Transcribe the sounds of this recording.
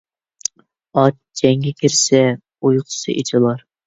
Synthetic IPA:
ɑt̪ | d͡ʒɛŋɡʲɛkʲʰɪɾsɛ | ujqʰʊ̥sɨ̰ʔḛt͡ʃʰɪlˠɑɾ

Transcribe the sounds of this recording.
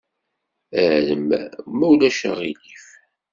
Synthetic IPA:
æʕləmmːæwlæʃə̰ʁilif

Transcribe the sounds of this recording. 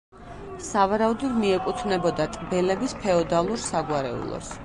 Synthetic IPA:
savaɾaud̪ɔd̪miɛkʼut̪ʰnɛbɔd̪at̪ʼbɛlɛbispʰɛɔd̪alˠuɾsaɡwaɾɛ̰ṵlˠɔ̰s

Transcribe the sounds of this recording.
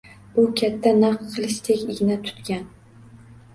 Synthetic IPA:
ʊkʲʰat̪ʰːanɑqqʰɨlˠɪʃt̪ʰekʲɪɡʲɪnat̪ʰʊ̥t̪kʲan

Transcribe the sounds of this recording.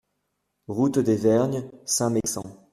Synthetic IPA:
ʁut̪d̪evɛʁnjsɛ̃meksɑ̰̃

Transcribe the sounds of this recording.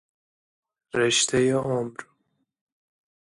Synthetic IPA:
ɾeʃt̪ʰejeomɾ

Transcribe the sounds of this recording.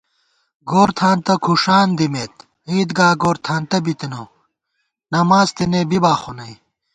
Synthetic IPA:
ɡoːɾt̪ʰaːnt̪ɐkʰuʂaːnd̪imet̪ | iːd̪ɡaːɡoːɾt̪ʰaːnt̪ɐbit̪ino | nɐmaːzt̪inebibaːxonɐj

